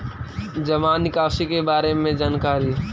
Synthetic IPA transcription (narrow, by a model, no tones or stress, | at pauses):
d͡ʒɐmaːnɪkaːsikebaːɾemẽd͡ʒaːnkaːɾi